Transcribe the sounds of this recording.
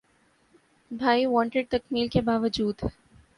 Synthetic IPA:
bʱaːiʋɔ̃ːɳʈɪɖ̚t̪ɐkmiːlkebaːʋəd͡ʒuːd̪ɦɛ

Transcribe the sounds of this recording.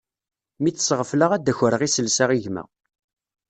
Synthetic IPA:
miːə̥sʁəfləʁæd̪ːæçəɾəʁisəlsaʁiʝmæ̰

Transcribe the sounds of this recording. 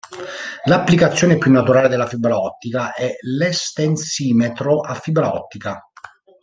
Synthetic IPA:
lapːlikat̪sːjoːnepjunːat̪uɾaːled̪elːafibɾaɔt̪ːikaʔɛlɛst̪ensiːmet̪ɾoʔafːibɾaɔ̰t̪ːika

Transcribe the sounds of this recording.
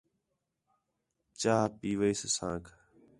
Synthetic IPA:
t͡ʃaːɦpiːʋəiːssãːkʰ

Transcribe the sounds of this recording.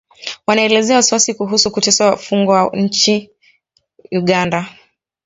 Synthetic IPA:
wanaɛlɛzɛawasiwasikuɦusukutɛsawafuŋɡɔwaɲ̩t͡ʃi | uɠanda

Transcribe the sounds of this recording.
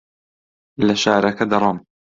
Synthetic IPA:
lɐʃaːɾɐkɐd̪ɑɾˤɑm

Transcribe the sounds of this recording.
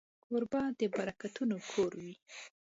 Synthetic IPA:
ʊɾbɑd̪əbaɾakat̪unokʰoɾwi

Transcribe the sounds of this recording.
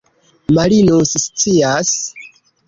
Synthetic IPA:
malinosst͡sias

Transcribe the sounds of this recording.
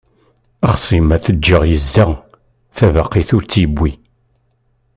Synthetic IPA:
əχsˤimæθəd͡ʒːəʁjəzːə | θævaqːiθʊɾt͡sːjbːi

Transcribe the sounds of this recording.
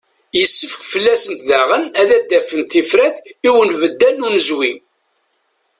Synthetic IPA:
jəsːəfə̥kfəlːæsənt̪ðaʁənæðæd̪ːæfənt̪ifɾæθiwənvəd̪ːælːunəzwi

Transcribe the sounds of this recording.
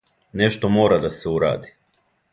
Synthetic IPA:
neʃt̪omo̞ːɾad̪aseuɾa̰ːd̪i̥

